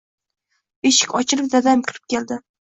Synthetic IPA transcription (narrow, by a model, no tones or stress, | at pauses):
eʃɪ̥kʲɒt͡ʃʰɪlɪp̚d̪ad̪ajmkʲʰɪɾɪ̥p̚kʲe̞ld̪ɪ